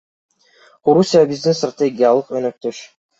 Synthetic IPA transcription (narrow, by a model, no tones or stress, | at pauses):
oɾusʲijabizd̪inst̪rat̪ʲeɡʲijalˠɯqønøk̚t̪øʃ